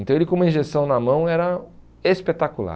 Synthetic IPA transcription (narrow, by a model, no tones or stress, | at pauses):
nt̪ɐ̃w̃elɪkõũmɐĩʒesɐ̃w̃nɐmɐ̃w̃ɛɾɐ | espet̪akula̰